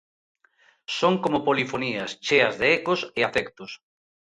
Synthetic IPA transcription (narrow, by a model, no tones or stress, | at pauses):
soŋkomopolifoniɐst͡ʃeɐzðeekoseafɛkt̪ʊs